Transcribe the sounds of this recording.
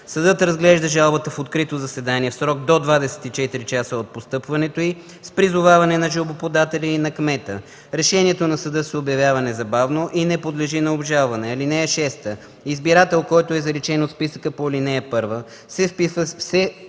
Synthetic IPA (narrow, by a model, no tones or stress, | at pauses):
sɐd̪ɤt̪ɾɐzɡlɛʒd̪əʒalˠbət̪əfot̪kɾit̪ozɐsɛd̪aniɛfsɾɔɡ̚d̪od̪vad̪ɛsɛ̥t̪it͡ʃɛt̪iɾit͡ʃasəot̪̚post̪ɤpvɐnɛt̪oi | spɾizʊvavɐnɛnɐʒbopod̪at̪ɛlʲiːnɐkmɛt̪ə | ɾɛʃɛniɛt̪onɐsɐd̪ɤsɛobjɐvʲjavɐnɛzɐbavnoʔinɛpod̪lɛʒinɐobʒalˠvɐnɛɐlinɛɛʃɛst̪ə | izbiɾat̪ɛlˠkɔjt̪oɛzɐɾɛt͡ʃɛnot̪spisəkəpolʲinɛjɐpɤɾvə | sɛfpisvəsɛ